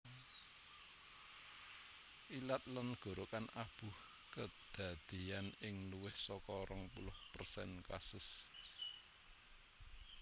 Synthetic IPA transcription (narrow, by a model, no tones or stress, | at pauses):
ʔilat̪̚lanɡ̥o̤ɾokanab̥ṳh | kəd̪̥ä̤d̪̥i̤anɪŋluwɪhsɔkɔɾɔŋpulʊhpərsɛ̰nkasʊs